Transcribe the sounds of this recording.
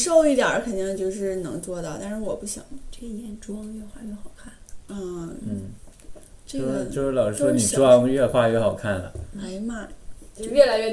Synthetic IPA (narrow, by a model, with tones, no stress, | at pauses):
ʂo˥˧ʊi˥˩t̪jɐ̰˞˨˧˥kʰə˨˩nt̪i˥˧ŋt͡ɕjo˥˧ʊʂɻ̩˥˩nɤ̰˧˥ŋt͡swɔ˥t̪ɑ˥˧ʊt̪a˥˧nʂɻ̩˥˧wɔ˨˩pu˥˩ɕjɑ̰˨˩˦ŋʈ͡ʂɤ˥˩ɡə˩jɛ˧˥nʈ͡ʂwɑ˥ŋɥɛ˥˧xwa˥˧ɥɛ˥˩xɑ˨˩ʊkʰa˥˩nləə˥˧n̩˥˩ | ʈ͡ʂɤ˥˩˥ɡə˧˩˧jo˥˧˥lɑ˨˩ʊʂɻ̩˥ʂwɔ˥ni˨˩ʈ͡ʂwɑ˥ŋɥɛ˥˧xwa˥˧ɥɛ˥˩xɑ˨˩ʊkʰa˥˩nlə̰˩a˧˥ɪmɐ˥˩t͡ɕo˥˧ɥɛ˥˩la˧˥ɪɥɛ˥˧